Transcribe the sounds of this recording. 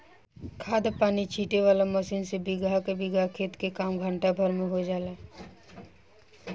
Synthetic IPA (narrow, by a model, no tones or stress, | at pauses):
kʰaːd̪paːnit͡ʃʰiːʈeʋaːlaməsiːnsebɪɡʱakebɪɡʱakʰeːt̪kekaːmɡʱə̃ɳʈabʱəɾmẽɦod͡ʒaːla